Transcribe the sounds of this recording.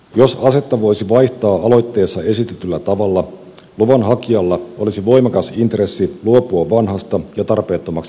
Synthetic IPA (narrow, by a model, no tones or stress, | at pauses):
jo̞sɑse̞t̪ːɑʋo̞jsiʋɑjht̪ɑːʔɑlo̞jt̪ːe̞ːsːɑe̞sit̪et̪ylːæt̪ɑʋɑlːɑ | luʋɑnɦɑkiɑlːɑʔo̞lisiʋo̞jmɑkɑsint̪re̞sːiluopuɑʋɑnɦɑst̪ɑjɑt̪ɑrpe̞ːt̪ːo̞mɑksi